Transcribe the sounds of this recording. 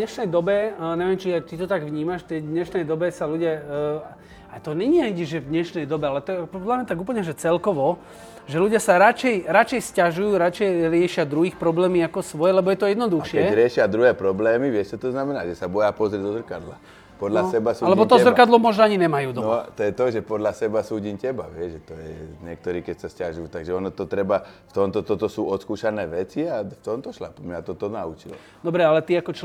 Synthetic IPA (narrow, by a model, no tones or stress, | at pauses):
d̪ɲɛʃnɛjd̪ɔbɛɲɛʋɪɛmt͡ʃiat̪it̪ɔt̪aɡʋɲiːmaʃt̪ɛd̪ɲɛʃnɛjd̪ɔbɛsaluɟɪa | at̪ɔɲɛɲiaiɟiʒʒɛvd̪ɲɛʃnɛjd̪ɔbɛalɛt̪ɔɛpɔd̪lamɲɛt̪aɡuːp̬l̩ɲɛʒɛt͡sɛlkɔʋɔ | ʒɛluɟɪasaɾat͡ʃɛjɾat͡ʃɛjscaʒujuːɾat͡ʃɛjɾɪɛʃɪad̪ɾuɦiːxpɾɔblɛːmiakɔsʋɔjɛlɛbɔjɛt̪ɔjɛd̪nɔd̪uxʃɪkɛɾɪɛʃɪad̪ɾuɦɛːpɾɔblɛːmiʋɪjɛst͡ʃɛt̪ɔznamɛnaːʒɛsabɔjapɔzɾʲɛd̪ɔzr̩kad̪la̰ | pɔd̪lasɛbasuːalɛbɔt̪ɔzrkad̪lɔmɔʒnɔaɲinɛmajuːd̪ɔnt̪ɔjɛt̪ɔʒɛpɔd̪lasɛbasuːɟiːmcɛbaʋɪɛʒʒɛt̪ɔjɛɲɪɛk̚t̪ɔɾiːkɛcsascaʒujuːt̪aɡʒɛɔnɔt̪ɔt̪ɾɛbaft̪ɔmt̪ɔt̪ɔt̪ɔsuːɔt̪skuːʃanɛːʋɛt͡siaft̪ɔmt̪ɔʃla̰pmɲat̪ɔt̪ɔnaṵt͡ʃilɔ̰ | d̪ɔbɾɛalɛt̪iakɔt͡ʃ